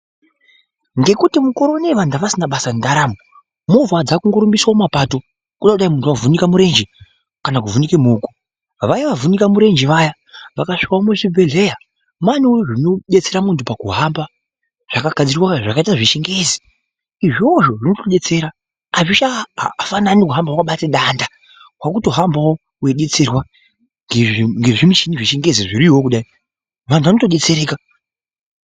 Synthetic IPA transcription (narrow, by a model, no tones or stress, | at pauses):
ŋɡe̞kutimukoɾo̞neʋandaʋasinaɓasandaɾaːmo | movwad͡zakuŋɡoɾumbiswaomapato̞ | kuɗakuɗaimuntuavunikamuɾe̞nd͡ʒe | kanakuvunikemuːku̥ | ʋaiʋavunikamuɾe̞nd͡ʒeʋaja | ʋakaʂi̥kaomuʐibʱe̞ɮe̞ja | manioʐino̞ɗet͡se̞ɾamuntupakuɦamba | ʐ̥akaɡʱad͡ziriwaʐakaitaʐiʃeŋɡe̞zi | iʐioʐo̞ʐinotoɗe̞t͡seɾaː | ʐit͡ʃafananikuɦambakaɓateɗanda | wakuto̞ɦambawo | weɗe̞t͡se̞rwa | ŋɡeŋɡe̞ʐimit͡ʃiniʐiʃeŋɡe̞ziʐiɾiwo̞kuɗai | ʋantʰuʋanotoɗe̞t͡seɾe̞ːka